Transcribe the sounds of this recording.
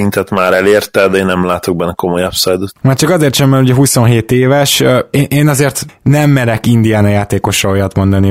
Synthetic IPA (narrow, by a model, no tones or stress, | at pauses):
int̪ɛt̪maːɾɛleːrt̪ɛd̪ɛeːnːɛmlaːt̪o̞ɡ̚bɛnːɛko̞mojɒpsɛjd̪øt̪maːrt͡ʃɒkɒzeːrt̪ʃɛmbɛnuɟɛɦuso̞nɦeːt̪eːvɛʃeːnʔeːnɒzeːrt̪nɛmːɛɾɛkind̪ijaːnɒjaːt̪eːko̞ʃːɒojɒt̪mo̞nd̪ɒni